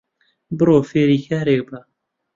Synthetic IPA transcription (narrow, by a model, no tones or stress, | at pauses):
bɨɾoːfeːɾiːkʰaːɾek̚ba